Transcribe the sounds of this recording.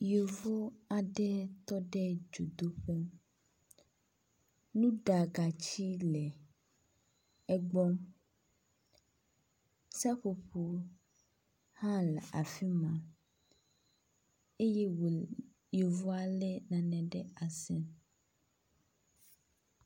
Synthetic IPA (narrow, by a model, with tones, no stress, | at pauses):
jo˨vo˦a˨ɖɛ˦t̪ɔ˦ɖɛ˦d͡ʒo˨d̪o˦ɸe˦m | nũ˦ɖa˨ɡa˨t͡ɕi˦lɛ˨ | ɛ˦ɡ͡bɔ˦m | sa˦ɸo˨ɸo˨ | hã˦lɛ˨ʔa˨fi˦mã˨ | e˦je˦w | jo˨vo˦a˨lɛ˦nã˨nɛ̃˨ɖɛ˦a˨sɛ˦n